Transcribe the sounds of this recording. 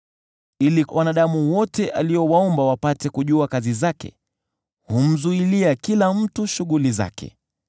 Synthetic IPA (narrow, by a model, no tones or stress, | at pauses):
iliwʔanaɗamuwɔtɛʔaliɔwaɔmbawapatɛkuʄuakazizakɛ̰ | hum̩zuiliakilam̩tuʃuɣuliza̰kʰɛ̰